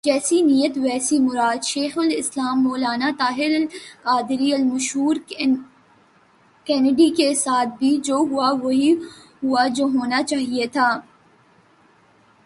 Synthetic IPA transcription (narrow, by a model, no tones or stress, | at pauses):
d͡ʒɛːsinijət̪ʋɛːsimʊɾaːd̪ʃeːxʊlɪslaːmːoːlaːnat̪aːɦɪɾɐlkaːd̪ɪɾiɐlmɐʃɦuːɾ | kɛːnɪɖikesaːt̪̚ʰbʱid͡ʒoːɦuaʋoɦi | ɦuad͡ʒoːɦoːnat͡ʃaːɦiet̪ʰaː